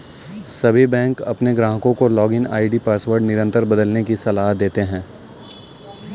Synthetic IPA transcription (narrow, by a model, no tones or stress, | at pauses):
sɐbʱibɛ̃ːŋkɐ̰pneɡɾãːɦəkõkolɔːɡɪna̰ːiʈipaːsʋəɾɖnɪɾə̃nt̪əɾbɐd̪əlnekisɐlaːɦd̪eːt̪eɦɛ̃ː